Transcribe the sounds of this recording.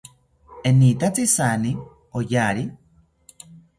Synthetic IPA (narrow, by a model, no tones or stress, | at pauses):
enit̪at͡sisani | ojaːɾi